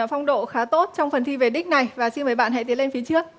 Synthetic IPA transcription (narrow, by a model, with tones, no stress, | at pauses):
fɔ˧wŋ͡mɗo̰˧˨xaː˨˦t̪o˦˥t̚t͡ɕɔ˧wŋ͡mfə˨˩nt̪ʰi˧ve˨˩ɗï˦˥k̟̚na˨˩jvaː˨˩si˧nməː˨˩˦jɓa̰ː˧˨nɦa̰˧jt̪i˨˦le˧nfi˨˦t͡ɕɨ˦˥ək̚